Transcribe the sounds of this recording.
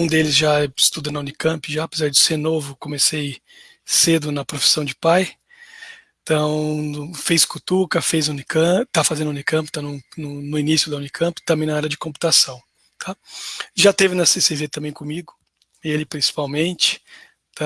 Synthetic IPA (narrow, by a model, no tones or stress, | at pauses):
ũd̪elɪzʒaɛɪst̪ud̪ɐ̃nɐũnikɐ̃mpɪʒaːpezaɾd͡ʒɪseɾnovʊkõmesej | sed̪ʊnɐpɾofi̥sɐ̃w̃d͡ʒɪpaj | t̪ɐ̃w̃fejskut̪ukɐfejzũnikɐ̃t̪afazẽnd̪ʊũnikɐ̃p̬ʊt̪anʊ̃nʊnʊinisjʊd̪ɐũnikʰɐ̃mpɪ̥t̪ɐ̃bẽj̃nɐaɾɐd͡ʒɪkõpu̥t̪asɐ̃w̃ | t̪ʰaʒat̪evɪnɐseseʒet̪ɐ̃bẽj̃kõmiɡʊ | elɪpɾĩsi̥pawmẽnt͡ʃɪ̥ | t̪a